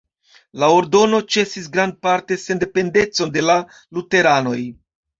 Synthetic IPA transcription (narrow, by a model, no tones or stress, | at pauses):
lao̞ɾdo̞no̞t͡ʃe̞sisɡɾand̚paɾte̞se̞nde̞pe̞nde̞t͡so̞nde̞la | lute̞ɾano̞j